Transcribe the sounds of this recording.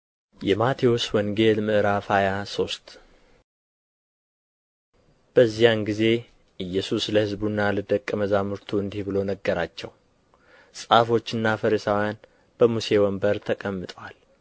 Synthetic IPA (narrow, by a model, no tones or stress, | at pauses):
jɛmat̪ʰioswɔŋɡe̞lmɨʔɾafajaso̞st̪ | b̥əzːijanɡize̞ | ʔɨjːɛsusləhɨzbunːalɨd̪əkʼːəməzamɨɾt̪ʰuɨnd̪ihbɨlo̞nəɡːəɾat͡ʃːɛw | sʼafo̞t͡ʃːɨnːafəɾəsawjan | b̥əmuse̞wɔmbəɾt̪ʰəkʼəmːɨt̪ʼwal